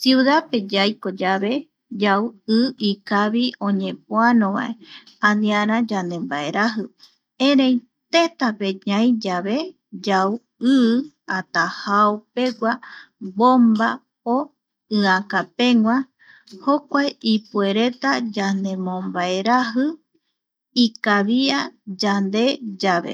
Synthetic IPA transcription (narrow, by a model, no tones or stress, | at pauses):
siuðape̞d͡ʒajkod͡ʒaβe̞ | d͡ʒawɨikaβiõ̞ɲẽ̞p̚oanõβa̰ʔe | ãnĩãɾ̃ãd͡ʒand̪ẽ̞mbae̞ɾaɦɨ | ẽɾẽj | t̪et̪ape̞ɲãj̃d͡ʒaβe̞ | d͡ʒaw | ɨ | at̪ahaope̞ɡʷabomba | o | ɨãkapẽ̞ŋwʷã | hokʷaeʔipue̞ɾe̞t̪ad͡ʒand̪e̞mõmbae̞ɾaɦɨ | ikaβiad͡ʒand̪e̞d͡ʒaβe̞̰